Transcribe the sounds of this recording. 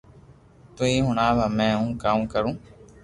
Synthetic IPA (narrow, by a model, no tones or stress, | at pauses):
t̪uiːɦʊɳaːʋaːmẽːɦũːkaːmːkəɾũː